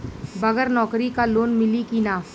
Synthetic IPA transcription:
bɐɡəɾnɔːkɾikaloːnmɪlikinaː

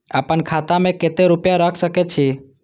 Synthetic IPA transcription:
aːpənkʰat̪amẽket̪eɾʊpjaɾəkʰsəkɛt͡ʃʰi

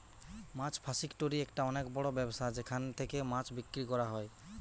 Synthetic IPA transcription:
mãt͡ʃpʰasikʈoɾiɛkʈaɔnekbɔɽɔbɛbosad͡ʒekʰant̪ʰekemat͡ʃbikːɾikɔɾaɦɔj

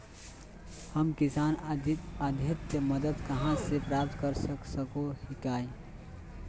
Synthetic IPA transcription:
həmkɪsaːnəd̪ʱjət̪jəməd̪əd̪kəɦãsepɾaːp̚t̪kəɾsəksəkohikaːi

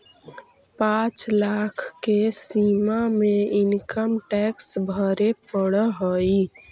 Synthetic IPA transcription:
pãt͡ʃlakʰkːesimameɪnkəmʈɛksbʱəɾepəɽəɦoi

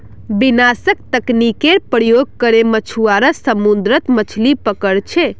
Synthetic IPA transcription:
binasək̚t̪əknikeɾpɾəjoɡ̚kəɾemət͡ʃʰuaɾəsəmund̪ɾət̪mət͡ʃʰlipəkəɽt͡ʃʰe

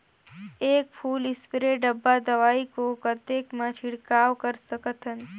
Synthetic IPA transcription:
eːk̚pʰuːlɪspɾeɖəbːad̪əʋaːikokət̪eːkmãt͡ʃʰɪɽkaːʋkəɾsəkət̪ʰən

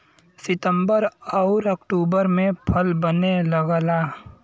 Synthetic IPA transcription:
sɪt̪ə̃mbəɾɔʊɾɐkʈuːbəɾmẽpʰəlbəneləɡlaː

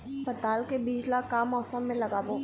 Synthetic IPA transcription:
pɐt̪aːlkebiːd͡ʒlakaːmɔːsə̃mːẽlɐɡaːbõː

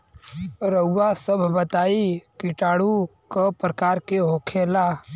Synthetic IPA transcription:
ɾəuːasəbʱbət̪aːikɪʈaːɽukapɾəkaːɾkeɦoːkʰeːlaː

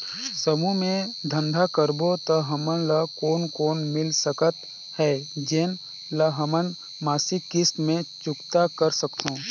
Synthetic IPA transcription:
səmumẽd̪ʱə̃nd̪ʱakəɾbot̪əɦəmənləkoːnkoːnmɪlsəkət̪ | hɛːd͡ʒeːn | ləɦəmən | maːsikɪst̪mẽt͡ʃʊkt̪akəɾsəkt̪õː

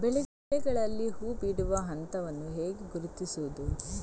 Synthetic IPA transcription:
bɛɭɛ | ɛɡɐɭɐlːihuːbiɽuʋɐɦɐnt̪ɐʋɐnːuɦeːɡeɡuɾut̪isuʋud̪u

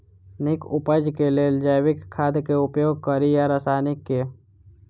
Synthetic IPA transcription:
nɪkʊpəd͡ʒkelelɪd͡ʒaːjwɪkʰːaːd̪keʊpjoːɡ̚kəɾijaɾəsaːnɪkːe

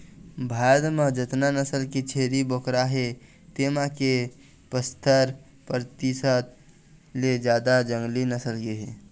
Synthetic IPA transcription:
bʱad̪mə̃d͡ʒət̪nanəsəlkit͡ʃʰeːɾibokɾaɦe | t̪emãke | pəst̪ʰəɾ | pɾt̪isət̪ | led͡ʒjaːd̪ad͡ʒə̃ŋɡlinəsəlɡiɦe

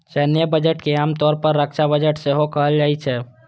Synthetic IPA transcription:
ʃɛːnjəbəd͡ʒəʈkeaːmt̪ɔːɾpəɾːəkʃabəd͡ʒəʈseɦokəɦəld͡ʒaːit͡ʃʰɛː

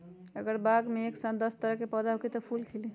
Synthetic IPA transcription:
əɡəɾbaɡmeeksad̪ɔst̪əɾəɦkepəd̪aɦokit̪ɔpʰulkʰeli

